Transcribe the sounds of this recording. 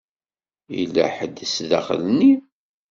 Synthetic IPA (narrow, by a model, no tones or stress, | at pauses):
ḭlːæ̰ħəd̪ːsðæ̰χə̰lni